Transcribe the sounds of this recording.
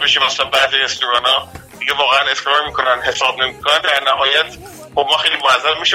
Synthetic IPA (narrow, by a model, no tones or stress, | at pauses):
beʃiːmæslænbæziɾest̪oɾɒːnɒːd̥̪iɡevɒːɣeæne̞skɾɒːɾmiːkʰo̞nænd̪ɦe̞sɒːb̚ne̞mikʰonænd̪æɾnæɦɒːjæt̪ʰ | χobmɒːxejliːmonæzːæmiːʃe